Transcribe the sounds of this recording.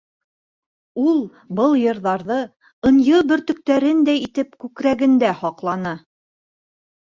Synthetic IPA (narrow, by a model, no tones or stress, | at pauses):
ulˠ | bɤlˠjɤ̆ɾðɑɾðɤ | ɤ̆njɤbɵ̆ɾt̪ɵ̆k̚t̪æɾɘnd̪æjit̪ɘpkʉkɾæɡɘ̆nd̪æhɒqlˠɑnɤ